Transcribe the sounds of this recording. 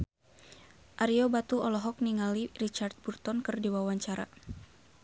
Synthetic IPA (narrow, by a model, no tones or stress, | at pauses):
ʔaɾiɔbat̪uɔlɔɦɔk̚niŋalirit͡ʃart̪̚burt̪ɔnkɨrdiwawaɲt͡ʃaɾa̰